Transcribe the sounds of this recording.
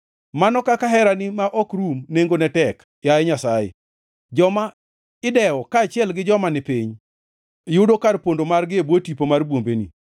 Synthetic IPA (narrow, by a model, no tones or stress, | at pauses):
manɔkakaɦɛɾanɪmaʔɔkɾumneŋɡonɛtɛk | jaɛɲasaɪ̰ | d͡ʒɔma | ɪdɛɔkaːt͡ʃɪɛlɡɪd͡ʒɔmanɛpiɲ | jʊdokaɾpondomarɡɪebwotipomarbwombenḭ